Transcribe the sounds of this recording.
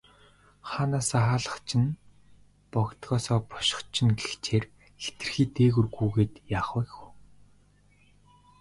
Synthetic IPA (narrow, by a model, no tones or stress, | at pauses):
χaːnaːsaχaːɮə̆χt͡ɕʰɪ̆n | pɔkt̪ɢɔːsɔːpɔ̥ʃɪ̥̆χt͡ɕʰɪ̆nɡeɬt͡ɕʰeːr | xe̥t̪ɘ̆rxiːt̪eːɣŭrɣuːɣeːt̪jaːχwæxu